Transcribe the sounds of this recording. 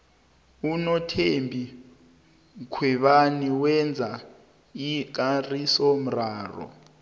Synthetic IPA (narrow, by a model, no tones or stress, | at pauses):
unɔtʰembʱi | kʰwɛβaniwɛnd͡zʱa | ik̬arisɔm̩raːrɔ̰